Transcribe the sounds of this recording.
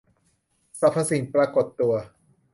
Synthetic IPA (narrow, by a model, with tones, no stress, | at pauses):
sa˨˩pʰa˧si˨˩˦npɾaː˧ko˨˩t̪ːu˧ɐ